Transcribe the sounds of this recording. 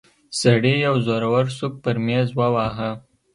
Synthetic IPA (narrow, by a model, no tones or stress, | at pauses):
saɽijawzoɾawaɾsuk̚pəɾmezwawɑɦa